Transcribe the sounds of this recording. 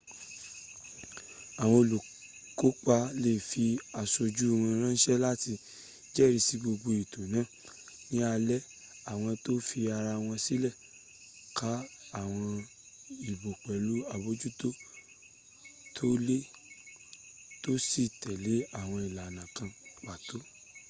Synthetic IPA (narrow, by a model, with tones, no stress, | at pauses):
a˨w̃ɔ̃˧o˧lo˨ | ko˨˦k͡pa˧le˦˨fi˧a˨so˧d͡ʒu˦˨˧wã˧ɾ̃ã˦n̩˦ʃɛ˦la˦ti˧ | d͡ʒɛ˦˨ɾi˧si˧ɡ͡bo˧ɡ͡bo˧i˨to˨nãː˨˦˨ | nĩ˨˦a˧lɛ˦ | a˨w̃ɔ̃˧to˦fi˧a˧ɾa˧w̃ɔ̃˧si˦lɛ˦˨ | kʰa˨˦a˦˨w̃ɔ̃˧ | i˨bo˨k͡pɛ˨lu˨˦a˧bo˦d͡ʒu˦to˦ | tʰo˦le˦ | to˦si˦˨tɛ˨le˨˦a˦˨w̃ɔ̃˧i˨la˨nã˨kã˧k͡pa˨to˨˦